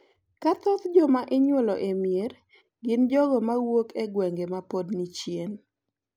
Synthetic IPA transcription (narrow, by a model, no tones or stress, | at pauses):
kat̪ɔt̪d͡ʒɔmaʔɪɲwɔlɔʔemjer | ɡɪnd͡ʒɔɡɔmawokʰɛɡwɛŋɡemapodnit͡ʃjen